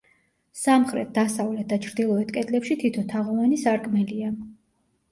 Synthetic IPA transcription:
samχɾɛ̰t̪̚d̪asavlɛt̪̚ʰd̪at͡ʃʰɾd̪ilˠɔɛt̪ʰkʼɛt̪ʼlɛpʃit̪ʰit̪ʰɔt̪ʰaʁɔvanisaɾkʼmɛlia

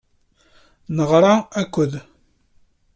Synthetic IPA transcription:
nəʁɾˤɑækʷːəð

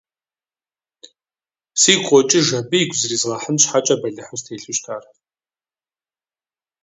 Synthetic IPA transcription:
siːqʷʼɔt͡ʃʼɪʒɐbɨjiɡʷzɨriːzʁɐħənɕħat͡ʃʼɐbɐɮɨħəmstʰeːɬɨʃtʰaːr

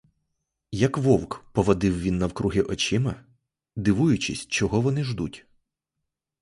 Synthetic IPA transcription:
jɐkʋɔwkpɔʋɐd̪ɪwʋʲinːɐwkɾuɦɪʔɔt͡ʃɪmɐ | d̪ɪʋujʊt͡ʃɪsʲt͡ʃɔɦɔʋɔnɪʒd̪utʲ

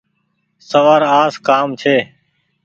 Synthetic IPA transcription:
səʋaːɾaːskaːmt͡ʃʰeː

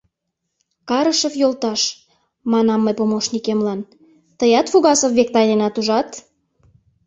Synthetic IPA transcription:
kɑɾəʃə̆fjolt̪ɑʃ | mɑnɑmːəjpomoʃnikemlɑn | t̪əjɑt̪fuɣɑsə̆vβek̚t̪ɑjnenɑt̪uʒɑt̪

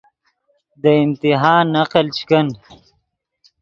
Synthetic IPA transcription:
d̪əɪmt̪iɦɑːnːaqəlt͡ʃkən

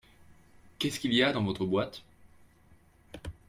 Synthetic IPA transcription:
kʲɛskʲilijad̪ɑ̃vɔt̪χəbwat̪

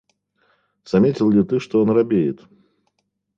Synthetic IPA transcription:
z̥ɐmʲetʲɪlˠlʲɪt̪ɨʂt̪ɔonrɐbʲejɪt̪

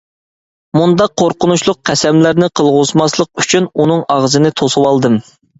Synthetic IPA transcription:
mund̪ɑqʰːoɾqənuʃlˠʊq̚qʰɛsɛmlɪɾnɪqʰəlˠʁʊzmɑslˠəq̚yt͡ʃʰynunɨŋɑʁzɨnɨt̪ʰosɨwɑlˠd̪ɨm

